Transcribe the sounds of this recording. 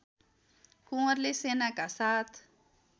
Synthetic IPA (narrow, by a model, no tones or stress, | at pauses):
kuŋaɾlesenaɡasat̪